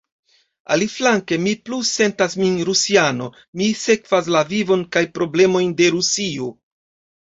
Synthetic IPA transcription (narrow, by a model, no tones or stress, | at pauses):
a̰liflaŋke̞mipluse̞ntasminɾusiano̞ | mise̞kv̥as̬lavivo̞nkajpɾo̞ble̞mo̞jnde̞ɾusio